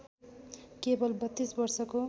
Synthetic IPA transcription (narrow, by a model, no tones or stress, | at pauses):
kebʌlbʌt̪ːisbʌrsʌko